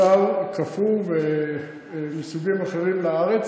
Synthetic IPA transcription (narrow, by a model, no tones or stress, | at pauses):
alkafuve | misuɡimaχeʁimlaaʁet͡s